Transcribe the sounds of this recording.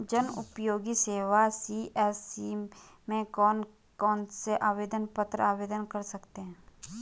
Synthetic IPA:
d͡ʒənʊpjoːɡiseːwasiʔɛːsimẽkɔːn | kɔːnseʔaːʋeːd̪ənpət̪ɾəaːʋeːd̪ənkəɾsɐkt̪eɦɛ̃

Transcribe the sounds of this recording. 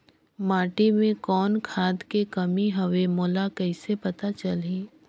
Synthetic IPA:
maːʈimẽkɔːnkʰaːd̪kekɐmiɦɐʋemoːlakɛɪsepɐt̪at͡ʃɐlĩː

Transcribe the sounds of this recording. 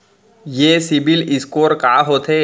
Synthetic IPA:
jeːsɪbɪlɪskoːɾkaːɦoːt̪ʰɦeː

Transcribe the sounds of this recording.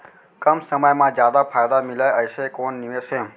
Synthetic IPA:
kəmsəməjmãd͡ʒjad̪apʰajd̪amilajəjʃekonːiʋeʃe

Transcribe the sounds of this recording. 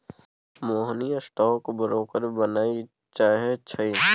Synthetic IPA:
moːɦnijasʈɔːkbəɾoːkəɾbənaːi | t͡ʃaːɦet͡ʃʰəi

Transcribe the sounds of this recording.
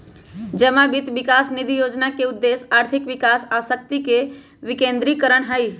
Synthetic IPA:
d͡ʒəmãbɪt̪ʋɪkaːsnid̪ʱijoːd͡ʒnakeʊd̪ːeːsaːɾt̪ʰɪkʋɪkaːsaːsək̚t̪ike | ʋɪkẽːnd̪ɾikəɾəɳ̃ɦəi

